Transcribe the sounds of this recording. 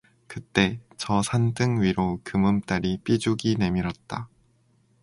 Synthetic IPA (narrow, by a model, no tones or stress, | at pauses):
kɯt͈e̞t͡ɕʌsʰandɯŋɥiɾokɯmɯmt͈aɾip͈id͡ʑuɡine̞miɾʌt̚t͈a